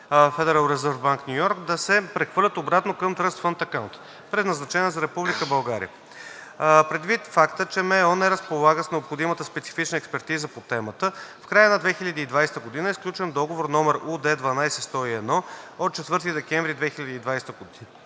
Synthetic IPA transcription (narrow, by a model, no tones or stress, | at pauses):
fɛd̪ɛɾalˠɾɛzəɾvbaŋknʲujɔɾkd̪ɐsɛpɾɛxvɤɾlʲət̪obɾat̪nokəmt̪ɾɤst̪fənt̪ɐkawnt̪ | pɾɛd̪nɐznɐt͡ʃɛniəzɐɾɛpublʲikəbɐlˠɡaɾḭə̰ | pɾɛd̪vit̪fakt̪ət͡ʃɛmɛɔnɛɾəspolˠaɡəsnɛopxod̪imət̪əspɛt̪si̥fit͡ʃnəɛkspɛɾt̪izəpot̪ɛmət̪əfkɾajənɐd̪vɛxilʲɐd̪iːd̪vajst̪əɡod̪inəisklʲut͡ʃɛnd̪ɔɡovoɾnɔmɛɾud̪ɛd̪vɐnajsɛst̪ɔiɛd̪nɔot̪̚t͡ʃɛt̪vɤɾt̪id̪ɛkɛɱvɾid̪vɛxilʲɐd̪iːd̪vajst̪əɡod̪i